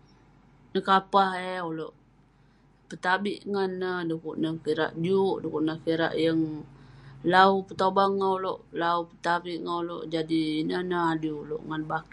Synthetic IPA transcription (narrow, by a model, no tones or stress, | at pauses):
nəkapaheoloʔ | pət̪abiʔŋanːəhdukuʔnəkiɾa̰ʔd͡ʒuʔdukuʔnəkiɾa̰ʔjəŋ | laupət̪obaŋauloʔlaupə̥t̪abiʔŋauloʔd͡ʒadinənəɦaduulo̰ʔŋanbaki